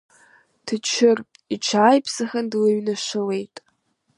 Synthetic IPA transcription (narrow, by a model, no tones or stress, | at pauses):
tʰɨt͡ʃʰɪrʼ | iʈ͡ʂʷʰaːjpʰsɨxandlɨɥnaʃɪle̞jtʼ